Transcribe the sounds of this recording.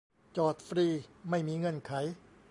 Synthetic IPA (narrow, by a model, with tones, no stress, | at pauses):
t͡ɕɔː˨˩t̪̚fɾiː˧˩ma˥˩jmiː˧ŋɤ˧˥˩nkʰa˩˦j